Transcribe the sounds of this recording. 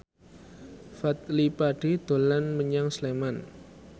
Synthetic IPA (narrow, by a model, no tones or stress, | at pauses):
fat̪̚lipaɖ̥i̤d̪̥o̤lanməɲaŋsleman